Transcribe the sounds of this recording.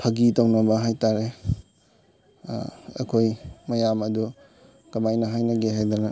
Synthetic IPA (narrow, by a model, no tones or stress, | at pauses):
pʰɐɡitawnɐbɐɦajtaɾe | ɐ̰kʰojmɐjamɐdu | kɐmajnɐɦajnɐɡeɦajd̪anɐ